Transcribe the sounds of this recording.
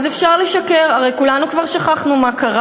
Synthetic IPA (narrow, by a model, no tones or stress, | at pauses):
zefʃaʁleʃake̞ʁaʁejkulanukvaʁʃaχaχnumakaʁa